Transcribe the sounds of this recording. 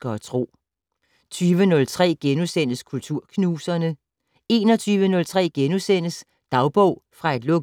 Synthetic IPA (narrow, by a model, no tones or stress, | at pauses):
ɡ̥ɒt͡sʰʁo̝̰ː | t͡sʰyːʋənɔ̽lt͡sʰʁɛ̰ːɡ̥enusen̰əskʰult͡sʰuɐ̰kʰnuːsɐnə | e̝ːnɒ̽t͡sʰyːʋənɔ̽lt͡sʰʁɛ̰ːɡ̥enusen̰əs | d̥ɑ̈ʊb̥ɔ̽ʊ̰fʁɑ̈e̝d̥lɔ̽ɡ